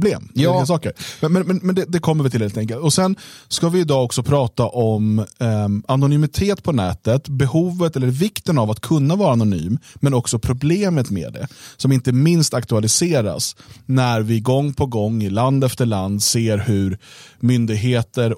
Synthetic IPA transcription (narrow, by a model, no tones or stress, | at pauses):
bleːmːsɑːkəɾmɛmɛnmɛnmɛnd̪ɛd̪ɛkʰɔmːəɾvɪlʰɪlhelt̪ɛŋkəlt̪ɔsɛnskavɪɪd̪ɑːɔksɔpʰɾɑːt̪aʔɔm | anʊnʏmɪt̪ʰeːt̪pʰɔnɛːt̪ət̪bɛhuːvət̪ɛlːəɾvɪkt̪ənavat̪kʰɵnːavɑːɾanʊny̰ːmːɛnɔksɔpʰɾʊbleːmət̪mḛːd̪ɛ̰sɔmɪnt̪əmɪnst̪akt̪ɵalɪseːɾa̰snæɾvɪɡɔŋːpʰɔɡɔŋːɪland̪ɛft̪əɭand̪seːɾhɵɾmʏnd̪ɪɡɦeːt̪əɾ